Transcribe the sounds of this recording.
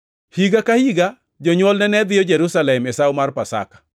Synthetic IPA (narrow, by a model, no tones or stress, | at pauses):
hiɡakahiɡa | d͡ʒɔɲwɔlnɛnɛd̪ɪɔd͡ʒɛɾusalɛmesawmarpasa̰kḁ